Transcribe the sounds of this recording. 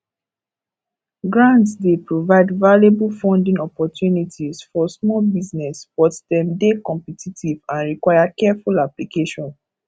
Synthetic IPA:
ɡɹãntsdepɹovaɪdvalebulfɔ̃ndĩŋɔpɔtjunitizfɔsmɔlbiznɛsb̥ɔtdɛ̃mdekɔ̃mpɛtʰitʰivãnɹikwajakɛfulaplikeʃɔ̃n

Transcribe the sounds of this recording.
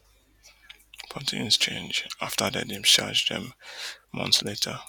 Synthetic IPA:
pʰɔ̃ntʰḭ̃nst͡ʃʰḛ̃nd͡ʒaftʰədɛdĩmʃa̰d͡ʒdɛ̰̃mmʌ̰̃nsletʰə

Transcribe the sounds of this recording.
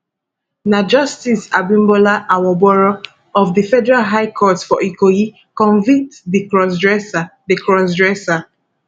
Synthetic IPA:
nad͡ʒɔstisa̰bĩmbɔlaʔawɔbɔɹo | ɔvdifɛdɛɹalɦajkʰɔtsfɔʔikoji | kɔ̃ɱvĩk̚tdikɹɔsdɹɛsadikɹɔs̬dɹɛsa

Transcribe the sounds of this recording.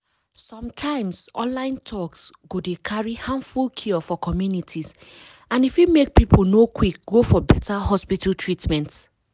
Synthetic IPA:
sɔ̃mtʰãɪ̃msʔɔ̰̃nlãɪ̃ntʰɔksɡodekʰaɹihãnfulkʰiɔfɔkʰɔmjunitʰiz | ãnifjumek̚pipʰolnokʰwik̚ɡofɔbɛtʰahɔspitaltʰɹitmɛ̃nt

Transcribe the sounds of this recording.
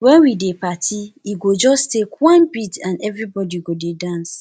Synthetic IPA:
wɛ̃nwidepatʰiiɡod͡ʒɔstekwãnbitãnɛvɾibɔdiɡodedãns

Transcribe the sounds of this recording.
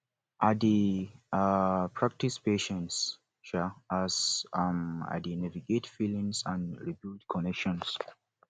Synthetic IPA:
ʔadiapʰɹak̚tispeʃɛ̃ns | ʃaazama̰dinaviɡetfilĩŋsãnɹibildkʰɔnɛkʃɔ̃ns

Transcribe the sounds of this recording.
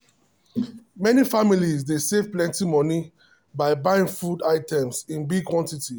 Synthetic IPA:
mɛnifamilizdesevplɛ̃ntimɔni | baɪbãɪĩŋfudaɪtʰɛ̃msĩnbiɡ̚kʰwɔ̃ntiti

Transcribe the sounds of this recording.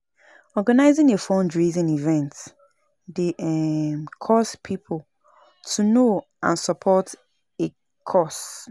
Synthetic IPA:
ɔɡanaɪzɪ̃ŋefɔ̃ndɹizĩnivɛ̃nt | deɛmkʰɔspʰipʰʊl | tʰuno | ã̰nsɔpʰɔt | e | kʰɔs

